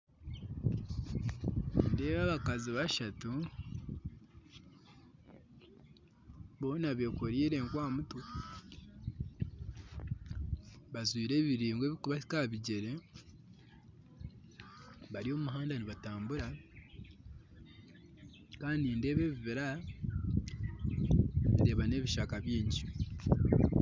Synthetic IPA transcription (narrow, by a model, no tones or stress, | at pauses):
inde̞ːβaβakaziβaʃatu | βo̞ːnaβe̞koɾiːɾe̞ŋkwaːmutwo | βazwiːɾe̞ːβiɾiːŋɡwe̞ːβikuβasikaβiɟe̞ɾe | βaɾio̞ːumuɦaːndaniβataːmbuɾa | kaːndiːnde̞ːβe̞ːβiβiɾa | ide̞ːβane̞βiʃakaβjiːɲɟi